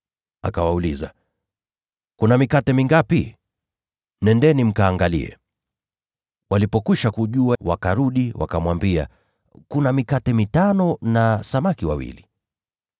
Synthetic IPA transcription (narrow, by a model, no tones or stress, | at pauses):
a̰kawauliza̰ | kunamikatɛmiŋɡapi | nɛndɛnim̩kaːŋɡalḭɛ̰ | walipɔkwiʃakuʄuawakaɾuɗiwa̰kamwambia̰ | kunamikatɛmitanɔnasamakiwawḭli